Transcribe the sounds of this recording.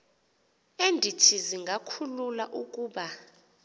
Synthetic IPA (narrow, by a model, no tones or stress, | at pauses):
endʱitʰiziŋɡʱakʰululaʔukʼuːɓa